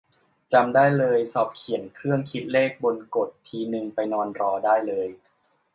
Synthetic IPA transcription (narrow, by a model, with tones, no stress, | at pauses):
t͡ɕa˧mdaː˥˩jlɤː˧jsɔː˨˩p̚kʰi˩˦ənkʰɾɯ˥˩əŋkʰi˦˥t̪̚leː˥˩k̚bo˧nko˨˩t̪ʰːiː˧nɯ˧ŋpa˧jnɔː˧nɾɔː˧daː˥˩jlɤː˧j